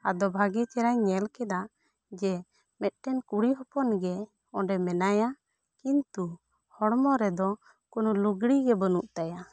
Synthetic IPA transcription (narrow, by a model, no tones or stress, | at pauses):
ad̪ɔbʱaɡɛt͡ʃɛɾajɲɛlkɛd̪aʔ | d͡ʒɛ | mɛt̪̚ˀʈɛnkuɽiɦɔpɔnɡɛ | ɔɳɖɛmɛnaja | kint̪u | hɔɽmɔɾɛd̪ɔ | kɔnuluɡɽiɡɛbənuʔt̪aja